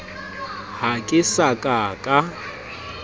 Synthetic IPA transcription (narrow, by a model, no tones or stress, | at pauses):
hakʼɪsakʼakʼa